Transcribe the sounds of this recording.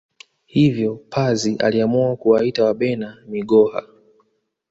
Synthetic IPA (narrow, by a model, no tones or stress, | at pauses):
hivjɔpʰaziʔa̰liamuakuwaitawaɓɛnamiɠɔha̰